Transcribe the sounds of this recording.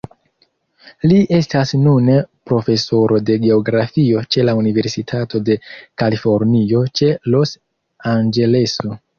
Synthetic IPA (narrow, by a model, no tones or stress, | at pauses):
liʔe̞stasnunpɾo̞fe̞so̞ɾʔo̞de̞ɡeo̞ɡɾafio̞t͡ʃe̞launive̞ɾsitʰato̞de̞kalifo̞ɾnio̞t͡ʃe̞lo̞s | and͡ʒe̞le̞so